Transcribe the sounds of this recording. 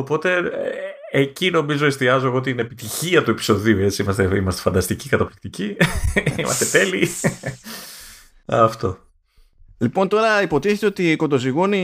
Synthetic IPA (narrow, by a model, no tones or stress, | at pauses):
opo̞t̪e̞ | ecino̞mizo̞e̞st̪iɐzo̞eɣot̪iine̞pit̪içiɐt̪ue̞pi̥so̞ðiue̞t͡siimɐst̪eimɐst̪efɐnd̪ɐst̪icikɐt̪ɐplik̚t̪ici | imɐ̰st̪e̞t̪e̞li | ɐ̰ft̪o̞ | lipo̞nt̪o̞ɾɐipo̞t̪iθet̪e̞ot̪iko̞nd̪o̞ziɣoni